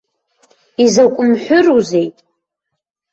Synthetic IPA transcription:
izakʷʼʊmħʷᶣʊruzejtʼ

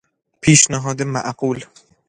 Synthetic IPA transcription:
pʰeːʃnɪɦɒːd̪ɪma̰ʔquːl

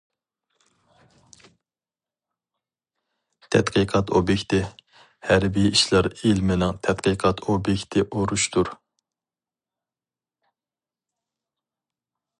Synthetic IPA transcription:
t̪ʰɛ̰t̪qʰɨqʰɑt̪ʰobjekʲt̪ɪ | hæɾbijiʃlˠɑɾilmɪnɪŋt̪ʰɛt̪qʰəqʰɑt̪ʰobjɛkʲt̪ʰɪʔoɾuʃt̪ʰuɾ

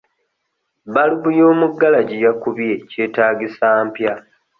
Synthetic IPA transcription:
βaluβujo̞ːmuɡːalaɟijakuβje̞ce̞ːtaːɡisaːmpja

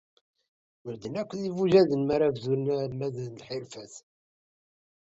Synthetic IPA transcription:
wəɾd̪ənækʷːðivuʒæðənmaɾævzunmæðnlħɪɾfæθ

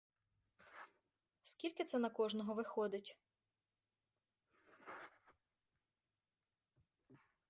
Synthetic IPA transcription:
skʲilʲkɪt̪sɛnɐkɔʒnɔɦɔʋɪxɔd̪ɪtʲ

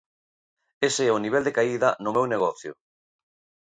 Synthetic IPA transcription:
eseɛʊniβ̞ɛld̪ekaiðɐnʊmewneɣ̞ɔθjʊ̰

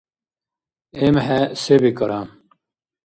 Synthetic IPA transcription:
emhesebikɐɾam

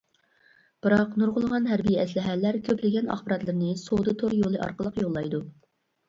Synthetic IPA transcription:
b̥ɨɾɑqnuɾʁʊlˠʁɑnɦæɾbijɛslɪɦælːæɾkʲʰøplɪɡʲɛnɑ̰χbɨɾɑt̪lˠɨɾnɨsod̪ɨt̪ʰoɾjolˠɨʔɑ̰ɾqəlˠəqjolˠːɑjd̪u

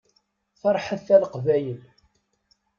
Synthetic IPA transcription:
θɑɾˤħəθːæləqvæjəl

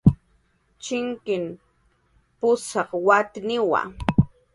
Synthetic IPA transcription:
t͡ʃɪŋkɪm | pʊsɑχwat̪nɪwa̰

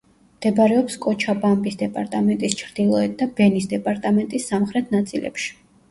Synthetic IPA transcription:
md̪̥ɛbaɾɛɔpskʼɔt͡ʃʰabambʼisd̪ɛpʼaɾt̪ʼamɛnt̪ʼist͡ʃʰɾd̪̥ilˠɔɛt̪̚d̪abɛnisd̪ɛpʼaɾt̪ʼamɛnt̪ʼisːamχɾɛt̪ʰnat̪sʼḭlɛ̰pʃi̥

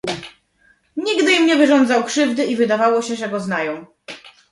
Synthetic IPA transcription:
ɲiɡd̪ɘjimɲɛvɘʐɔnd̪zawkʂɘvd̪ɘivɘd̪avawɔɕɛʐɛɡɔznajɔ̃w̃

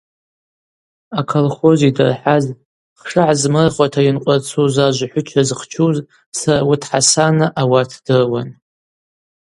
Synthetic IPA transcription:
akʰolχo̞zidɨ̰rħaz | χʂɨʕazmɨrχʷʼatʰainqʷʼart͡sʰuzaʒʷaħʷʊt͡ʃʷʰazχt͡ʃʰuz | sarawitʰħasanɨʔawartʰd̥ɨrwan

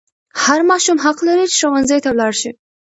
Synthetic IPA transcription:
haɾmɑʃumɦaqlaɾit͡ʃɪ̥ʃawanzajt̪awlɑɽʃi

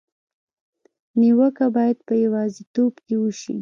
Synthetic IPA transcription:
niwəkabɑjad̪̚pəjawɑzit̪obkewəʃḭ

